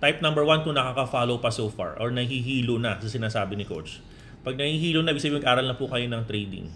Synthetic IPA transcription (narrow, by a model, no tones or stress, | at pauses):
t̪ajp̚nɐ̃mbɛɹwant̪ʊnɐkakɐfaːlowpɐsoːfa̰ɹʔoɹnɐhiɦiːlonɐsɐsɪnaːsaːbɪnɪko̰t͡ʃ | pɐɡ̚nɐhiːhiːlonɐʔɪbɪɡs̬ɐbimɐɡʔaːɾɐlnɐpʊkɐjo̞nɐŋt̪ɾɛjd̪ɪ̰ŋ